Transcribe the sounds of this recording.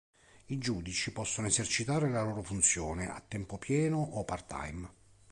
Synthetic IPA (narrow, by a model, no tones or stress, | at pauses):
id͡ʒuːd̪it͡ʃipɔsːonoezert͡ʃit̪aːɾelaloːɾofunt̪sjoːneʔa̰t̪ːɛmpopjɛːnoʔːpart̪a̰jm